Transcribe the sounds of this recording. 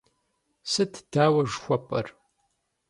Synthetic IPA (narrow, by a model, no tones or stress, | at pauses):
sɨtʰd̥aːwɐʒxʷɔpʼɐ̰r